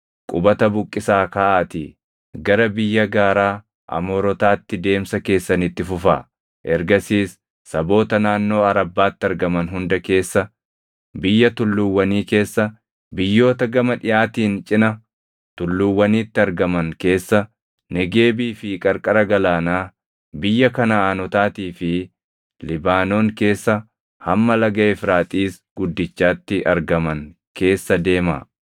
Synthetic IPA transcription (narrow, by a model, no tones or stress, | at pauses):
kʼʊbɐt̪ɐbʊkʼːɪsaːkɐʔaːt̪i | ɡɐɾɐbɪjːɐɡaːɾaː | ʔɐ̰moːɾɔt̪aːt̪ːɪd̪e̞ːmsɐke̞ːsːɐnɪt̪ːɪfʊfa̰ː | ʔɛɾɡɐsiːsː | ɐbo̞ːt̪ɐnaːnːo̞ːɐɾɐbːaːt̪ːɪɐɾɡɐmɐnɦʊnd̪ɐke̞ːsːɐ | bɪjːɐt̪ʊlːʊwːɐniːke̞ːsːɐ | bɪjːo̞ːt̪ɐɡɐmɐᶑɪjaːt̪iːnt͡ʃʼɪnɐ | t̪ʊlːʊwːɐniːt̪ːɪɐɾɡɐmɐŋke̞ːsːɐ | nɛɡe̞ːbiːfɪkʼɐɾkʼɐɾɐɡɐlaːnaː | bɪjːɐkɐnɐaːnɔt̪aːt̪iːfɪ | lɪbaːno̞ːŋke̞ːsːɐ | hɐmːɐlɐɡɐɛfɾaːt̪ʼiːs | ɡ̥ʊd̪ːɪt͡ʃːaːt̪ːɪʔɐɾɡɐmɐŋ | ke̞ːsːɐd̪e̞ːma̰ː